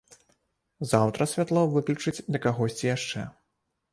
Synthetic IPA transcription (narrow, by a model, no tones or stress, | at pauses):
zawt̪ɾɐsʲvʲat̪lˠɔvɨklʲut͡ʂɨt͡sʲd̪ɐkaɣɔsʲt͡sʲijaʂt͡ʂɛ̰